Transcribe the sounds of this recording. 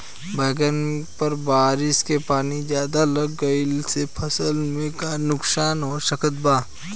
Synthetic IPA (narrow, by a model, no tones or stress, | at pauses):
bɛːɡənpɐɾbaːɾɪskepaːnid͡ʒjaːd̪alɐɡːəɪlsepʰɐsəlmẽkanʊksaːnɔːɾsəkʰət̪̚baː